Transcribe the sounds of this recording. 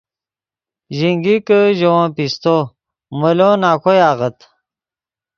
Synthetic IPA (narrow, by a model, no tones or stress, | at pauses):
ʑiŋɡikəʑowãːpist̪o | məlonaːkʰojaːʁət̪